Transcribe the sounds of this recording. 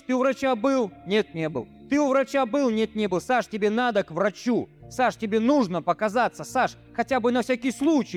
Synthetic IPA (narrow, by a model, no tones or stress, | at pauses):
t̪ɨʊvɾɐt͡ɕabɨlˠnʲe̞t̪̚nʲebɨ̰lˠt̪ɨʊvɾɐt͡ɕabɨlˠnʲe̞t̪̚nʲe̞bɨlˠsaʂtʲɪbʲe̞nad̪əkvrɐt͡ɕusaʂtʲɪbʲe̞nuʐnəpəkɐzat̪səsaʂ | xɐtʲabɨnɐfsʲakʲijslˠut͡ɕɪj